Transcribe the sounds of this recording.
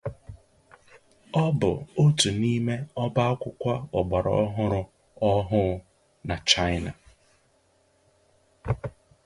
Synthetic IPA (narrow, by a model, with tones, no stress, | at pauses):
ɔ˦bʊ̰˨o˦tu˨ni˦me˦ɔ˦ba˦ɔ˦kʷʊ˦kʷa˦ʊ˨ɡ͡ba˨ɾɔ̰˦ɔ˦ɦʊ˦ɾʊ˦ | ɔ˦ɦʊ˦ | na˨t͡ʃa˦jɪ˦na˨